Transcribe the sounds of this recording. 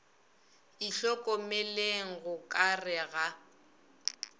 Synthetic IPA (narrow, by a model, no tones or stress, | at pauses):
iɬɔkʼɔmeleŋ̩ɣʊkʼarɪɣa